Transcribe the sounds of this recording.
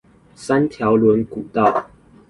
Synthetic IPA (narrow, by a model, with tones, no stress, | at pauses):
sa˦nt̪ʰjɑ˨˦ʊlwə˧˦nku˨˩t̪ɑ˥˨ʊ